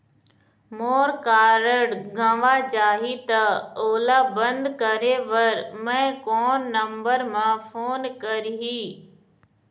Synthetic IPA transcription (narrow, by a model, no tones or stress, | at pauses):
moːɾkaːɾəɽɡʱə̃ʋaːd͡ʒaːɦit̪ɐoːlaːbɐ̃nd̪kɐɾeʋəɾmɛ̃ːkɔːnːəmbəɾmãːfʰoːnkɐɾɦiː